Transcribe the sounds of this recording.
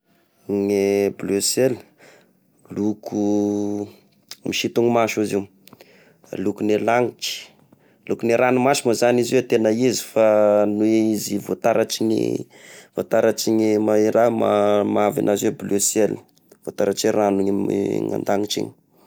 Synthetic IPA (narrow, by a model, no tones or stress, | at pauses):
ŋeblesel | lukʰu | miʃit̪uŋimaʃuziw | lukunelaŋit͡ʃi̥ | lukuneɾʔanumaʃumozaniziet̪enəizi̥fanueizivot̪aɾaʈ͡ʂiɲḭ | v̥ot̪aɾat͡ʃiɲimaiɾama̰mavḭnʔazieblesel | v̥ot̪aɾaʈ͡ʂeɾanuɲḭŋa̰nd̪aŋiʈ͡ʂḭɲi̥